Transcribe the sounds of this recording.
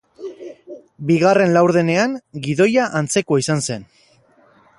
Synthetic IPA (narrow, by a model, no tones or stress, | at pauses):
biɣare̞nlawɾðe̞ne̞aŋɡiðo̞jaʔant͡se̞koaisanse̞n